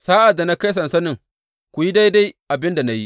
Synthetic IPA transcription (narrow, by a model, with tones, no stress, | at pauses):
saː˦ʔa˨dːa˨na˦ka˦s̬ɐ˨nsɐ˦nɪ˦˨ŋ | kʷu˨ji˦da˦jda˦jʔa˨bɪ˦nda˨na˦ji˦ʔ